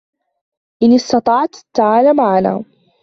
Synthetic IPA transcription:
ʔɪnɪst̪ɑt̪ˤɑʕt̪at̪ːaʕaːlamaʕana̰ː

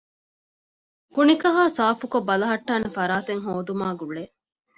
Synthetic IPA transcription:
kunikɐɦaːsaːfukobːɐlɐɦɐʈːaːnefɐɾaːt̪eŋɦoːd̪umaːɡuɭe

